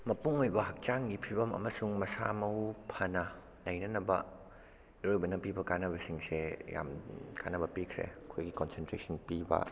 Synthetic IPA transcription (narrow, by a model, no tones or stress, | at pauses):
mɐpuŋojbɐɦak̚t͡ʃaŋɡipʰibɐmɐ̰mɐsuŋmɐsamɐwpʰɐnɐ | lɐjnɐnɐbɐ | ɾojbɐnɐpibɐkanɐbɐsiŋseja̰mkʰa̰nɐbɐpikʰɾḛkʰojɡikonsentɾesɐnpibɐ̰